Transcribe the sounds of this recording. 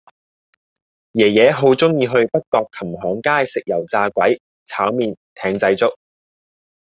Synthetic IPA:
jɛː˨˩jɛː˨˧˥ɦo˨˥wt͡sʊ˥ŋjiː˧ɦɵ˧ɥpɐ˥t̚kɔː˧kʰːɐ˨˩mɦɔː˨˥ŋkaː˥jsɪ˨k̚jɐ˨˩wt͡saː˧kʷɐ˨˥j | t͡sʰaː˨˥wmiː˨nt̪ʰɛː˨˧ŋt͡sɐ˧jt͡sʊ˥k̚

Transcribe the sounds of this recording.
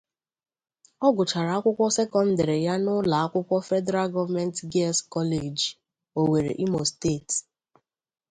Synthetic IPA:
ɔ˦ɡʊ˨t͡ʃa˨ɾa˨a˦kʷʊ˦kʷɔ˦se˦kɔ˦n̩˦da˨ɾe˨ja˦nʊ˦la˨a˦kʷʊ˦kʷɔ˦fɛ˦dɛ˦ɾa˦lɡɔ˦va˦mɛ˦n˦tɡe˦lskɔ˦le˨d͡ʒi˨ | o˨we˨ɾḛ˨ʔi˦mo˨ste˦˨t

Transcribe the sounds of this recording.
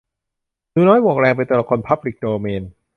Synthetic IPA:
duː˧nɔː˦˥jwu˨˩ək̚ɾɛː˧ŋp̬a˧jt̪ɛ˧lɔ˨˩kʰo˧npʰa˦˥p̚li˨˩k̚doː˧meː˧n

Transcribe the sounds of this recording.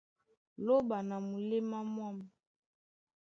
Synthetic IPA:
lo˦ba˨na˨mu˨le˦ma˦mwa˦m˨

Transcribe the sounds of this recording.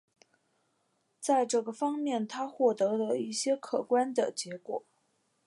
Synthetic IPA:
t͡sa˥˧ɪʈ͡ʂɤ˥˩ɡə˩fɑ˥ŋmjɛ˥˩nt̪ʰa˥xwɔ˥˩t̪ɤ˧˥d̪ə˧i˥˩ɕjɛ˥kʰɤ˨˩kwa˥nd̪ə˨t͡ɕjɛ˧˥kwɔ̰˨˩˦

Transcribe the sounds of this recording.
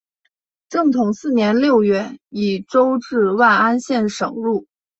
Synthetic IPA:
ʈ͡ʂɤ˥˩ŋt̪ʰʊ˨˩˦ŋsɹ̩˥˩njɛ˧˥nljo˥˧ʊɥɛ˥˩i˨˩ʈ͡ʂo˥ʊʈ͡ʂɻ̩˥˧wa˥˩ɪa˥nɕjɛ˥˩nʂɤ˨˩ŋɻu˥˩

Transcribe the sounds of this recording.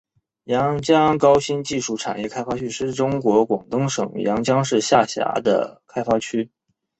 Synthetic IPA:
jɑ˧˥ŋt͡ɕjɑ˥ŋkɑ˥ʊɕi˥nt͡ɕi˥˧ʂu˥˩ʈ͡ʂʰa̰˨˩njɛ˥˩kʰa˥ɪfa˥t͡ɕʰy˥ʂɻ̩˥˩ʈ͡ʂʊ˥ŋkwɔ˧˥kwɑ˨˩ŋt̪ɤ˥ŋʂɤ̰˨˩˦ŋjɑ̰˧˥ŋt͡ɕjɑ˥ŋʂɻ̩˥˧ɕja˥˩ɕja̰˧˥d̪ə̰˧kʰa˥ɪfa˥t͡ɕʰy˥

